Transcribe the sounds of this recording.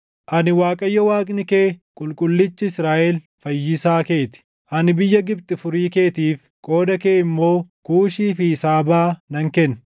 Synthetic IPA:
ʔɐnɪwaːkʼɐjːɔwaːkʼnɪkeːkʼʊlkʼʊlːɪt͡ʃːɪɪsɾaːʔɛl | fɐjːɪsaːke̞ːt̪ɪ̥ | ʔɐnɪbɪjːɐɡɪb̚t̪ʼɪfʊɾiːke̞ːt̪iːf | kʼo̞ːd̪ɐkeːɪmːo̞ːkuːʃiːfɪsaːbaːnɐŋkɛn

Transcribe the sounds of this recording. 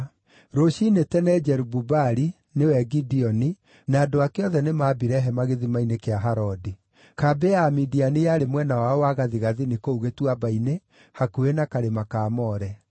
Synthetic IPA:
ɾoʃinetɛnɛd͡ʒɛɾububaɾi | newɛɡidiɔni | naːdoakeɔðɛnemabiɾɛɦɛmaɣeðimainekeaɦaɾɔdi | kabeamidianejaɾemwɛnawaɔwaɣaðiɣaðinikouɣetwabaine | hakuenakaɾemakaːmɔɾɛ

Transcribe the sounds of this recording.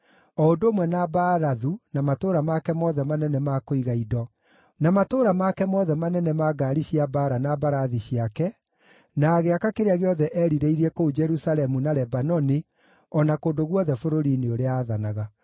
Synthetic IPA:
ɔondoːmwɛnabaɾaðunamatoːɾamakɛmɔðɛmanɛnɛmakoiɣaidɔ | namatoɾamakɛmɔðɛmanɛnɛmaɡaɾiɕiabaɾanabaɾaðiɕijakɛ | naɣeakakeɾeaɣeɔðɛʔɛɾiɾeiɾiɛkoud͡ʒɛɾusalɛmunaɾɛbanɔni | ɔnakoːndoɣwɔðɛfoɾoɾineoɾeaːðanaɣa

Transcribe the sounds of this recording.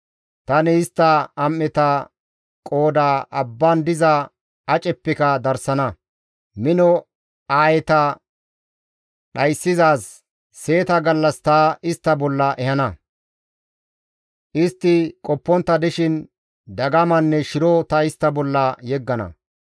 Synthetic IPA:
t̪ɐnɛɪst̪ːɐɐmːɛt̪ɐ | kʼo̞ːd̪aːʔɐbːand̪ɪzɐ | ɐt͡ʃʼɛpːɛkɐd̪ɐɾsɐnɐ | mɪnɔ | aːjɛt̪ɐ | ɗɐjsːɪzaːsː | e̞ːt̪ɐɡɐlːɐst̪ɐɪst̪ːɐbɔlːɐʔɛhɐnɐ | ʔɪst̪ːɪkʼɔpːɔnt̪ːɐd̪ɛʃɪn | d̪ɐɡɐmɐnːɛʃɪɾɔt̪ɐɪst̪ːɐbɔlːɐjɛɡːɐnɐ̰

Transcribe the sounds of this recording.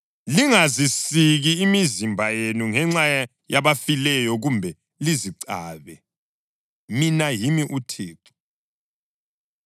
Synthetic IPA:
liŋazisiɣiːmizimbʱajenuŋɛŋ͡ǀaja | jaβafilɛjɔɣumbʱɛ | liziǀaːβɛ | minajimiʔutʰeːǁu̥

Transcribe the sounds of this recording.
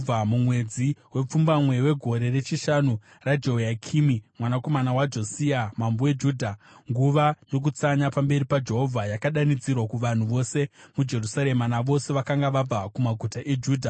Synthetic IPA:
amumwe̞d͡ziwe̞p͡fumbamwe̞we̞ɡʱo̞ɾe̞re̞t͡ʃiʃanu | rad͡ʒojakʰiːmimwanako̞manawad͡ʒo̞siamambowe̞d͡ʒuːdʱa | ŋɡuʋajo̞k̬ut͡saɲapambe̞ɾipad͡ʒe̞ɦo̞vʱajakaɗanid͡zirwakuʋan̤uʋo̞se̞mud͡ʒe̞rusaɾe̞manaʋo̞se̞ʋakaŋɡaʋab͡vakumaɡʱutaʔe̞d͡ʒuːdʱa

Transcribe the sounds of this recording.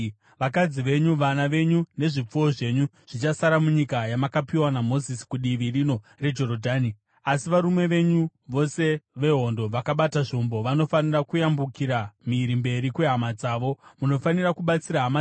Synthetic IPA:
ʋakad͡ziʋe̞ɲuʋanaʋe̞ɲune̞ʐip͡fuwo̞ʐe̞ɲu | ʐ̥it͡ʃasaɾamuɲikajamakapiwanamo̞zisi̥kuɗiʋirino̞ | re̞d͡ʒo̞ɾodʱaːni | asiʋaɾume̞ʋe̞ɲuʋo̞se̞ʋe̞ɦo̞ndo̞ʋakaɓataʐombo̞ʋano̞fanirakujambukiɾamiɾimbe̞ɾikwe̞ɦamad͡zaːʋo̞muno̞fanirakuɓat͡siɾaɦama

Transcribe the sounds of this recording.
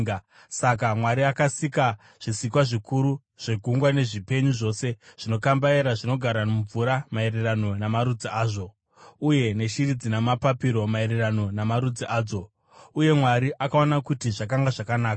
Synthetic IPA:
sakamwaɾiakasika | ʐ̥isikwaʐikuɾu | ʐ̥e̞ɡʱuŋɡwane̞ʐipe̞ɲuʐo̞se̞ʐ̥ino̞kambaeɾaʐino̞ɡʱaɾauɱvuɾamae̞rerano̞namaɾud͡ziaːʐo̞ | uje̞ne̞ʃirid͡zinamapapiɾo̞maeɾerano̞namaɾud͡ziʔaːd͡zo̞ | uje̞mwaɾiʔakaonakutiʐak̬aŋɡaʐakanaːka

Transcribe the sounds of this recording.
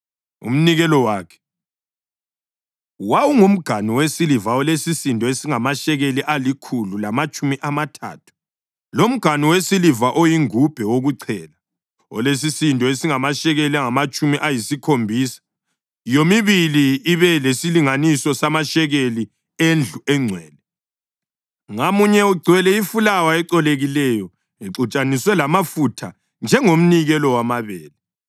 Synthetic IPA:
ṵm̩niɣɛlɔwaːkʰɛ̥ | wawuŋum̩ɡ̥ʱaniwesilivaɔlesisintɔesiŋamaʃɛɣeliʔalikʰululamat͡ʃʼumiʔamatʰa̰ːtʰu̥ | lom̩ɡ̥ʱaniwesilivaʔojiŋub̥ʱɛwoɣuǀʰɛːla | ɔ̰les̬isintɔesiŋamaʃɛɣeliaŋamat͡ʃʼumiʔajisikʰombʱiːsḁ | jomiβiliːβɛlesiliŋanisɔsamaʃɛɣeli | end͡ɮʱuɛŋ͡ǀʱwɛːlɛ | ŋamuɲɛuɡ͡ǀʱwɛlɛifulawaɛǀɔleɣilɛjɔ | iǁut͡ʃʼaniswɛlamafutʰa | nd͡ʒʱɛŋom̩niɣɛlɔwamaβɛːlɛ

